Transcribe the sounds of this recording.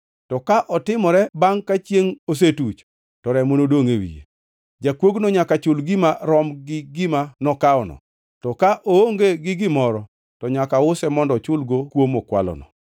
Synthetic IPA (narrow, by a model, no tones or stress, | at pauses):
tɔkaʔɔtɪmɔɾɛbaŋkat͡ʃjeŋos̬etut͡ʃ | tɔɾɛmonodoŋewḭjḛ | d͡ʒakwoɡnoɲakat͡ʃʊlɡɪmaɾɔmɡɪɡɪmanɔkaɔnɔ̰ | tɔkaʔooŋɡeɡɪɡɪmɔɾɔ | tɔɲakaʊsɛmɔndɔt͡ʃʊlɡokwomokwa̰lɔ̰nɔ̰